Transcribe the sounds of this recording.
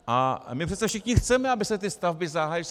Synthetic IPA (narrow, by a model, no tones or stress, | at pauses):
ʔa̰mɪpr̥ɛt̪sɛfʃɪxɲɪxt͡sɛmɛabɪsɛt̪̬ɪst̪avbɪzaɦajis